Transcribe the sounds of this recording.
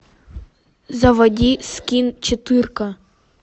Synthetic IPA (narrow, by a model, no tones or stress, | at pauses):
zɐʋɐdʲiskʲint͡ʃɔt̪ɪrkɐ